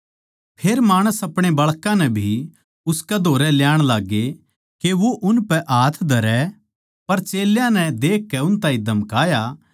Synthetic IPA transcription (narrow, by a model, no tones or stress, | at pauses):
pʰeːɾmaːɽ̃əsɐpɽ̃ebɐɭkãnɛbʱi | ʊskɛd̪ʱoːɾɛljaːɽ̃laːɡe | keʋoʔʊnpɛʔaːt̪ʰd̪ʱɐɾɛ | pɐɾt͡ʃeːljãnɛd̪eːkːɛʊnt̪ãːĩd̪ɐmkaːja